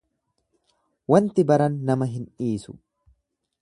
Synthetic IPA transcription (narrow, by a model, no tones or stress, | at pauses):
wɐnt̪ɪbɐɾɐnːɐmɐɦɪnᶑiːsʊ̰